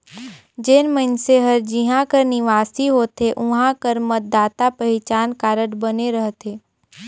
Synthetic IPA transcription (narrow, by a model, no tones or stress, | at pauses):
d͡ʒenmənseɦəɾd͡ʒɪɦãkəɾnɪʋaːsiɦoːt̪eʔʊɦãkəɾmət̪̚d̪aːt̪apɐɦɪt͡ʃaːnkaːɾəʈbəneɾəɦt̪eː